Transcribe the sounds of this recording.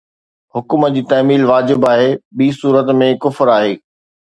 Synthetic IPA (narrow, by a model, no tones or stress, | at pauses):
hʊkməd͡ʑiːt̪ɐːmiːlʋaːd͡ʑɪbaːɦeːɓiːsuːɾət̪mẽkʊfɾaːɦeː